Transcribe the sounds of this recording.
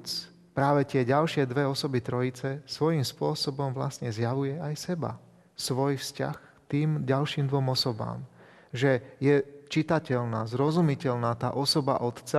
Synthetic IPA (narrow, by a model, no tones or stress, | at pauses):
t͡s | pɾaːʋɛt̪ɪɛɟalʃɪɛd̪ʋɛɔsɔbit̪ɾɔit͡sɛsʋɔjimspʊɔsɔbɔmʋla̰sɲɛzjaʋujɛajsɛba̰ | sʋɔjfsca̰x | t̪iːmɟalʃiːmd̪ʋɔmɔsɔba̰ːm | ʒɛjɛt͡ʃit̪acɛʎna̰ːzɾɔzumicɛʎnaːt̪a̰ːʔɔsɔba̰ʔɔt̪t͡sa